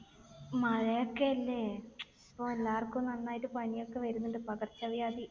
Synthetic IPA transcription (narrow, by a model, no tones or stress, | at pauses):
mɐɻɐjokːeɐlːe̞ | pːoːelːaːrkːumnɐnːaːjitːɨpɐnijo̞kːe̞ʋɐɾunːuɳɖɨpɐɣɐrt͡ɕːɐʋjaːd̪i